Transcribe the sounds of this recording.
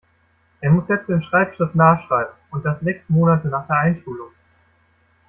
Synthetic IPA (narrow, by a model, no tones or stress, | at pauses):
ʔeːɐmʊsjɛt͡sɪmʃʁ̥aɪpʃʁ̥ɪftnaːʃʁ̥aɪbm̩ʊnt̚d̥asz̥ɛksmoːnatənaːχd̥eːɐʔaɪnʃuːlʊŋ